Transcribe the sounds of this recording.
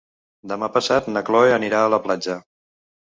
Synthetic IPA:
d̪əmapəsat̪nəklɔeəniɾaələplad͡ʒə

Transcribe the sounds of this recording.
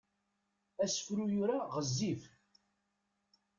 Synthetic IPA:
æsə̥fɾujʊɾaʁəzːif

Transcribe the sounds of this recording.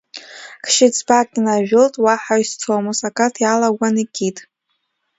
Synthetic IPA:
kʰʃɪt͡sʰʼbakʼinaʒᶣʊltʼwaħaɥstʰoamusakʼatʰjalaɡʷanikʲʼʰitʼ

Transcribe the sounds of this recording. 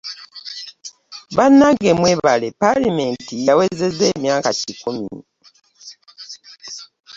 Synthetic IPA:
βanːaɡemweːβalepalimentijawe̞ze̞ze̞ːmjaːkacikumi

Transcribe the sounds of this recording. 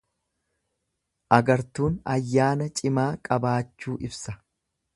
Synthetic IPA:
ʔɐɡɐɾt̪uːnɐjːaːnɐt͡ʃʼɪmaːkʼɐbaːt͡ʃːuːʔɪbsɐ̥

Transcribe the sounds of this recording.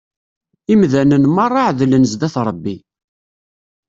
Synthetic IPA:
imðænənmɑrˤːɑʕðlənəzd̪æθɾˤəbːi

